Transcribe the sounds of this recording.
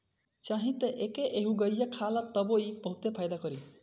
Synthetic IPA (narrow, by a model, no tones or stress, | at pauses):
t͡ʃaɦĩt̪eʔekeʔeɦũɡʌjjekʰalat̪ʌboibʌɦut̪epʰajd̪akʌɾi